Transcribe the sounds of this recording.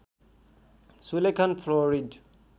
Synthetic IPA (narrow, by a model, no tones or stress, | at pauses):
sulekʰanpʰlɔɾid